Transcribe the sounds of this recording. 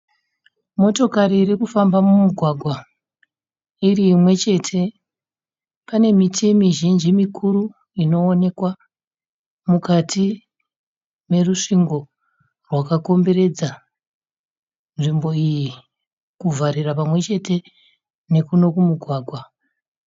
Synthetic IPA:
mo̞to̞kaɾiːɾikufambamumuɡʱwaɡʱwa | iriːmwe̞t͡ʃe̞tʰe̞ | pane̞mitimiʒind͡ʒimikʰuɾu | ino̞ːne̞kwa | mukati | me̞ruʂiŋɡo̞ | rwakako̞mbe̞ɾe̞d͡za | nʐimbo̞iji | kuvaɾirapamwe̞t͡ʃe̞te̞ | ne̞kuno̞kumuɡʱwaːɡʱwa

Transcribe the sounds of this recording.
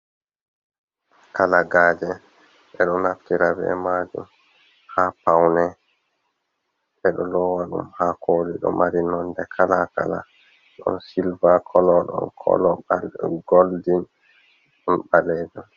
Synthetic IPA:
kalaɡaːd͡ʒɛ | ʔɛɗɔnaftiɾabɛ̰mad͡ʒṵm | hapawnɛ | ʔɛɗɔlɔwaɗṵmhakoliɗɔ̰maɾinɔndɛkʰalaka̰la̰ | ɗɔ̰nsilvakʰɔlɔɗɔ̰nkʰɔ̰lɔaɡoldin | ɗɔnɓalɛd͡ʒɛl

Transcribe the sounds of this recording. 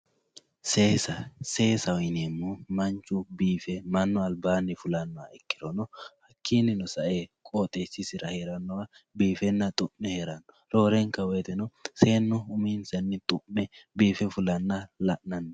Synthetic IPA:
seːsɐse̞ːsɐwɔjneːmːumɐnt͡ʃːʊbiːfɛmɐnːɔɐlbaːnːɪfʊlɐnːɔa̰ɛkːɪd̪ɔnɔhɐkʰːiːnɪnɔsɐʔeːkʼoːt̪ʼesːɪsɪɾɐheːɾɐnːɔwɐbiːfɛnːɐt̪ʼʊmːɛheɾɐnːɔ | ɾo̞ːɾɛŋkɐwɛjt̪ɛnɔse̞ːnːɔʊmiːnsɛnːɪt̪ʼʊmːɛbiːfɛfʊlɐnːɐlɐʔnɐnːɔ

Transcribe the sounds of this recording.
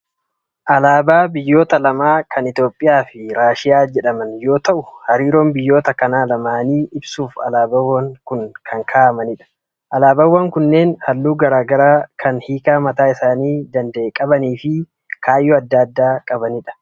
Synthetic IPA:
ʔɐlaːbaːbɪjːo̞ːt̪ɐlɐmaːkʰɐnɪt̪jo̞ːpʼːɪjaːfɪɾaːʃɪjaːd͡ʒɛᶑɐmɐnjo̞ːt̪ɐʔʊhɐɾiːɾo̞ːmbɪjːo̞ːt̪ɐkɐnaːlɐmaːniːʔɪbsuːfɐ̰laːbɐwːɐŋkʊnkʰɐŋkʰaːʔɐmɐnɪᶑɐ̥ | ʔɐlaːbɐwːɐŋkʊnːeːnhɐlːuːɡɐɾaːɡɐɾaːkʰɐnhiːkaːmɐt̪aːɪsaːniːd̪ɐnd̪ɐʔeːkʼɐbɐniːfɪ | kʰaːjːɔɐd̪ːɐɐd̪ːaːkʼɐbɐnɪᶑɐ̥

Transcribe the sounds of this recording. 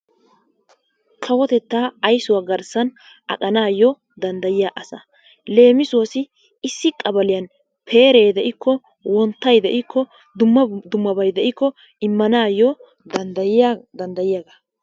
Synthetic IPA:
kʰɐwɔt̪ɛt̪ːaːɐjsʊwaːɡɐɾsɐn | ʔɐ̰kʼɐnaːjɔ | d̪ɐnd̪ɐjɪjaːʔɐsɐ̰ | le̞ːmɪsʊwɔsɪː | sːɪkʼːɐbɐlɪjɐn | pʰe̞ːɾeːd̪ɛʔɪkːɔ | wɔnt̪ːɐjd̪ɛʔɪkʰːɔ | d̪ʊmːɐd̪ʊmːɐbɐjd̪ɛʔɪkːɔ | ɪmːɐnaːjɔ | d̪ɐad̪ɐnd̪ɐjɪjaɡa

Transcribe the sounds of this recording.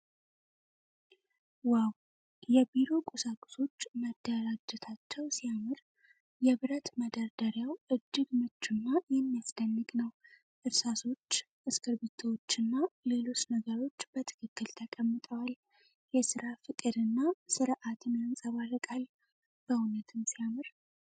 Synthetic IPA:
waw | jɛbiɾo̞kʼusakʼʊ̥so̞t͡ʃːməd̪̥ːəɾad͡ʒɨt̪ʰat͡ʃːɛwsijamɨɾ | jɛβɨɾət̪məd̪aɾd̪əɾjawʔɨd͡ʒːɨɡmɨt͡ʃːunːajɛmːijasd̪ənːɨɡnəw | ʔɨɾsaso̞t͡ʃː | ʔɨskʰɨɾbet̪ʰowot͡ʃːɨnːale̞lo̞t͡ʃːnəɡəɾo̞t͡ʃːbət̪ʰɨ̥kʰɨkːɨlt̪ʰəkʼəmːɨt̪ʼəwal | jɛsɨɾafɨt̪ʼed̪ɨnːasɨɾʔat̪ʰɨnjansʼəβarɨkʼal | b̥əhunət̪ʰɨmsijamɨɾ

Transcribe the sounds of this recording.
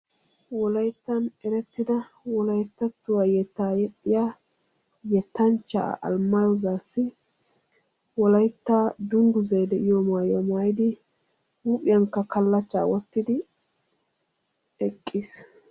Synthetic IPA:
wɔlɐjt̪ːɐnɛɾɛt̪ːɪd̪ɐ | wɔlɐjt̪ːɐt̪ːʊwajɛt̪ːaːjɛt̪ʼːɪjaː | jɛt̪ːɐnt͡ʃːa̰ːʔɐ̰lmɐjɔzaːsːɪ | wɔlɐjt̪ːaːd̪ʊnd̪ʊzɐjd̪ɛʔɪjɔmaːjɔmaːjd̪ɪ | uːpʼɪjɐŋkːɐkɐlːɐt͡ʃːa̰ːwɔt̪ːɪd̪ɪ | ɛkʼːis

